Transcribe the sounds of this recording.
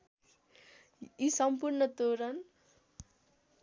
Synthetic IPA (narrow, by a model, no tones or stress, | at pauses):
isʌmpurnʌt̪oɾʌn